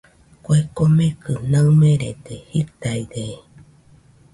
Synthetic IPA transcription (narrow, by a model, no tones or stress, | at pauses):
koekomẽkɯnamẽɾed̪ehit̪aid̪e